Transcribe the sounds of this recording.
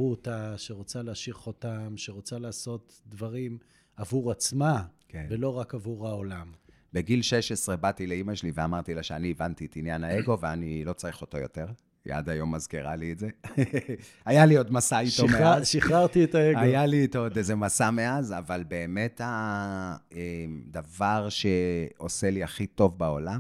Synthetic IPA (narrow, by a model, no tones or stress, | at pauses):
ut̪aʃeʁot͡saleaʃiʁχotamʃeʁot͡salaːso̞t̪ | d̪vaʁim | avuʁat͡smakʰevelo̞ʁakavuʁaolam | beɡilʃeʃesʁebat̪ileimaʃeliveamaʁt̪ilaʃeaniːvantietinjanaeɡo̞veanilo̞t͡saʁiχo̞to̞jo̞̰te̞ʁ | ja̰d̪ajo̞mːazkiʁalietze | ajalio̞dmasait̪omeʃiχaʁtietaeɡaojjalitodezemasameazavalbe̞ːme̞ta | emd̪avaʁʃe̞o̞se̞liaχito̞vbao̞lam